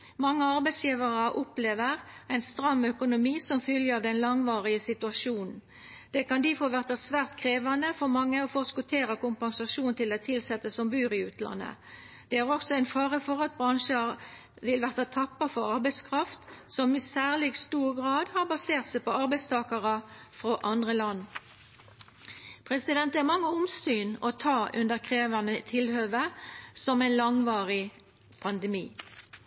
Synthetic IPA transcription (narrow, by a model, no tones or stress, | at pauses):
mɑŋːəɑʁbæɪsjiːʋəʁɑʔʊpleːʋəʁæɪnst̪ɾɑmːœkʊnʊmiːsɔmfʏljəɑʋd̪ɛnlɑŋʋɑːʁɪəsɪt̪ʉɑʂuːnn̩ | d̪̥ɛkɑnd̪ɪfoːʋæʁt̪ɑsʋæːʁt̪kʰʁeːʋɑnəfɔʁmɑŋːəɔfɔskʊt̪ʰeːɾəkʊmpɑŋsɑʂuːnt̪ʰɪlɛt̪ʰɪlsɛt̪ːəsɔmbʉːʁɪʉːt̪lɑ̰nːə̰ | d̪̥ɛæʁɔksɔæɪnfɑːʁəfɔʁɑt̪̚bʁɑŋʃəɾ | ʋɪlʋæʁt̪ɑt̪ʰɑpːɑfɔʁɑʁbæɪskʰʁɑft̪sɔmɪsæːʁlɪɡst̪uːʁɡʁɑːd̪hɑːʁbɑseːʁt̪sæɪpɔɑʁbæɪst̪ʰɑːkɑʁɑfʁoʔɑnd̪ʁəlɑnː | pʰʁɛsɪd̪ɛnt̪æmɑŋːəʊmsyːnɔt̪ʰɑːʔʉ̰nd̪əʁkʰʁeːʋənət̪ʰɪlhøːʋəsɔmæɪnlɑŋʋɑːʁɪ | pʰɑnd̪ɛmḭː